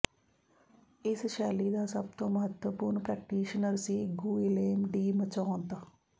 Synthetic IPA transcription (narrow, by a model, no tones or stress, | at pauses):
ɪsʃɛːliːd̪aːsəb̚t̪õːməɦət̪wəpuːɾnpɾɛːk̚ʈiːʃənəɾsiːɡuːileːmɖiːmət͡ʃaːont̪aː